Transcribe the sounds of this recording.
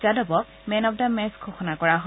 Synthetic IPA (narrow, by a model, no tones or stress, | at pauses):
zadɔbɔk | mɛnɔp̚damɛskʰɔxɔnakɔɹaɦɔ